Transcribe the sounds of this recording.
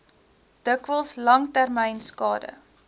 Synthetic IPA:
d̥əkvəlˠslɐŋtærmɛjnskɑːdə̰

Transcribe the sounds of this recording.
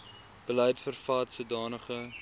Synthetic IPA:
b̥əlɛjtfərfɑːtsuədɑːnəχə

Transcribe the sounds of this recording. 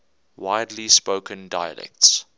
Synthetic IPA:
waɪdlispəʊkʰə̃ndaɪə̰lɛ̰k̚ts

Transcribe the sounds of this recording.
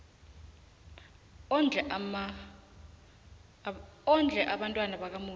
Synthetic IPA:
nʱm | ɔnd͡ɮʱɛʔaɓantʼwanaɓak̬amuː

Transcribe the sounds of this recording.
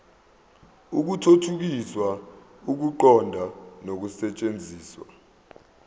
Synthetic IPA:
uk̬utʰotʰuk̬iswa | uk̬uǃɔndʱanok̬usɛt͡ʃʼend͡zʱiːswa̰

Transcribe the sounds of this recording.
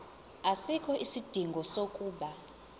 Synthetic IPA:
asikʰɔʔisid̥ʱiŋɡʱɔsokʼuːɓa

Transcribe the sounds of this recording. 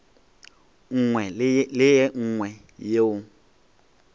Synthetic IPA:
ŋ̩ŋwɛlɪjɛŋ̩ŋwɛ | jeʊ

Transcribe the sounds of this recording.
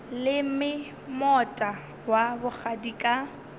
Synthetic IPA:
lɪm̩mɪ | mɔtʼa | wabʊk͡xʰadikʼa

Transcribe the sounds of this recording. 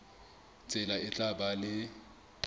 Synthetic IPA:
t͡sʼɛlaɪt͡ɬʼabalɪ

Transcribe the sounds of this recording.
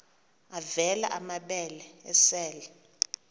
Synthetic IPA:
avɛlaʔamaɓɛlɛɛ̰sɛːlɛ

